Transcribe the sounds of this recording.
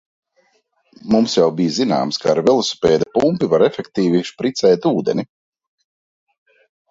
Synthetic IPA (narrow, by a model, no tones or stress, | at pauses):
mumsjawbijzina̰ːmskaːɾvʲɛlˠusu̥pɛːd̪apumpivaɾɛfʲɛkt̪iːviʃpɾit̪sɛːjt̪uːd̪enʲi